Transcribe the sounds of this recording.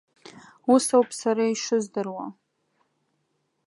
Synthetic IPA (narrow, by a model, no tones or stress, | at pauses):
usawpʰʼsaɾaiʂɨzdɨrwa